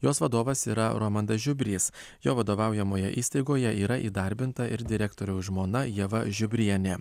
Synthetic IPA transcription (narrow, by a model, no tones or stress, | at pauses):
joːsʋɐd̪oːʋɐsiːɾɐɾoːmɐnd̪ɐʒʲʊbʲɾʲiːs | joːʋɐd̪oːʋɑˑʊjɛmoːjɛʔiːst̪ɐɪɡoːjɛʔiːɾɐʔiːd̪ɐɾʲbʲɪnt̪ɐʔɪɾd̪ʲɪɾʲɛkt̪oːɾʲɛʊʒmoːnɐjɛʋɐʒʲʊbʲɾʲiɛnʲeː